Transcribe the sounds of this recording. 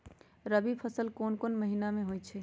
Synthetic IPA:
ɾəbipʰəsəlkonkonməɦinameɦojt͡ʃʰɛ

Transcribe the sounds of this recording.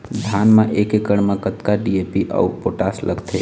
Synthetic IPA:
d̪ʱaːnmãʔekekəɽmãkət̪kaɖiepiʔa̰upoʈaslə̰ɡt̪ʰe

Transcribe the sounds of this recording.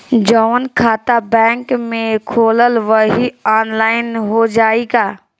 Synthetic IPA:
d͡ʒɔʋənkʰaːt̪abɛ̃ːŋkmẽkʰoːləlʋəɦiaːnlaːɪnɦod͡ʒaːiɡaː

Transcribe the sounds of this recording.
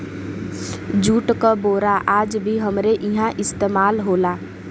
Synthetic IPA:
d͡ʒuːʈkaboːɾaʔaːd͡ʒbʱiɦəmɾeʔɪɦãʔɪst̪eːmaːlɦoːlaː

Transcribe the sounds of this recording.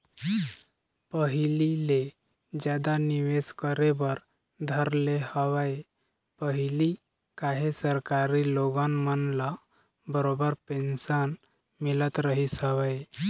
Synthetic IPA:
pəɦilile | d͡ʑad̪aniʋeskəɾebəɾ | d̪ʱəɾlehəʋaj | pəɦili | kaɦesəɾkaɾiloɡãnmənla | bəɾobəɾpensən | milət̪ɾəɦisɦəʋaj

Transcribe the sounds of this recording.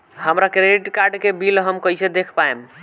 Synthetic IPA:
həmɾakɾeɖiʈkaɾɖkebilɦəmkəjsed̪ekʰpaem

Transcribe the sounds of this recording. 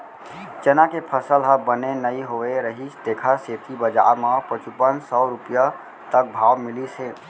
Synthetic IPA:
t͡ʃənakepʰəsəlɦəbənenəiɦoeɾəɦit͡ʃd̪eːkʰaset̪ibəd͡ʒa̰ɾmãpət͡ʃupənsɔɾʊpija | t̪ək̚bʱaːʋmɪlisẽː

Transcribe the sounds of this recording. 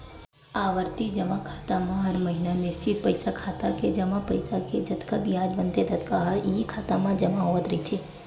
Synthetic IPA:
aːʋəɾt̪id͡ʒɐmakʰaːt̪amãɦɐɾmɐɦinanɪst͡ʃɪt̪̚pɐɪsakʰaːt̪aked͡ʒɐmapɐɪsaked͡ʒɐt̪kabʱiaːd͡ʒbɐ̃nt̪ed̪ʱɐt̪kaɦɐɾikʰaːt̪amãd͡ʒɐmaɦoːət̪ɾɐit̪ʰeː

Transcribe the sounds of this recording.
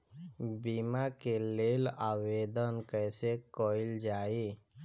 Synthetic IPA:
bimakelelaʋed̪ənkəjsekɔild͡ʒae

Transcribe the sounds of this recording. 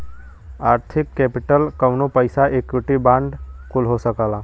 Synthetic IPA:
aːɾt̪ʰɪkːɛːpɪʈəlkəʋnopəɪsaʔeːkwɪʈibãːɳɖkʊlɦosəkaːlaː

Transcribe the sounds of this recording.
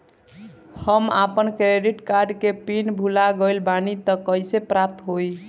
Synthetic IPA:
həmapənkɾeɖiʈkaɾɖkepinbʱulaɡəjlbanit̪əkəjsepɾap̚t̪ɦoj

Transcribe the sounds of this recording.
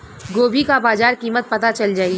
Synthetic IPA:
ɡoːbʱikabaːzaːɾkiːmət̪̚pɐt̪at͡ʃɐld͡ʒaːi

